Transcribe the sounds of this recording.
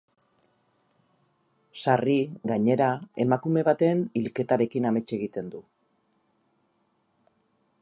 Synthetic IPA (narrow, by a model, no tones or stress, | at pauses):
sariɣaɲe̞ɾae̞makume̞βat̪e̞nilke̞t̪aɾe̞kiname̞t͡ʃe̞ɣ̞it̪e̞nd̪u